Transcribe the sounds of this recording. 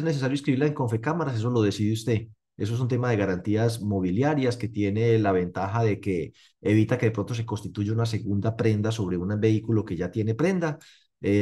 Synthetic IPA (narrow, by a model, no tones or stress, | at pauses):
ezne̞s̬esaɾjoiskɾiβiɾlaeŋko̞ɱfekamaɾase̞s̬o̞lo̞ð̞e̞siðjust̪e̞ | e̞s̬oes̬unt̪e̞maðe̞ɣaɾant̪iasmo̞βiljaɾjaske̞t̪je̞nelaβe̞nt̪axaðe̞keː | βit̪ake̞ðe̞pɾo̞nt̪os̬e̞ko̞nst̪it̪uʝeunas̬e̞ɣund̪apɾe̞nd̪aso̞βɾe̞unabe̞ikulo̞ke̞ʝat̪je̞ne̞pɾe̞nd̪a | e